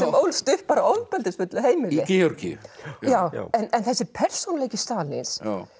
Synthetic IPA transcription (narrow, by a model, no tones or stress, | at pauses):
sɛmowlst̪ʏhpaɾaowlt̪̚pɛlt̪ɪsfʏt̪lɪɦeːjmɪlɪɛɔɾcɪ̰jʏ̰jaːwɛnɛnθɛsːɪpʰɛɾ̥sunlejcɪst̪aːlɪ̰ns